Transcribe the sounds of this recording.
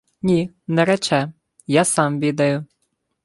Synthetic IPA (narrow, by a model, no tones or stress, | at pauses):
nʲi | nɛɾɛt͡ʃɛ | jasɑmʋʲid̪ɐjʊ